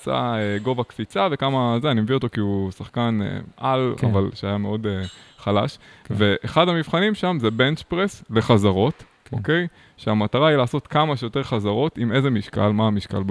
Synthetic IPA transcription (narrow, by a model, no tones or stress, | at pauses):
sa̰eɡo̞vakfit͡save̞kamazeanimevio̞t̪o̞kiusaχkanḛʔala̰valʃeajame̞o̞deχala̰ʃve̞ʔeχadhamivχanimʃamzebe̞nt͡ʃpʁesle̞χazaʁo̞t | o̰ke̞j | ʃeamataʁailaːso̞t̪kamaʃejote̞ʁχazaʁo̞time̞zemiʃka̰lmaːmiʃka̰lb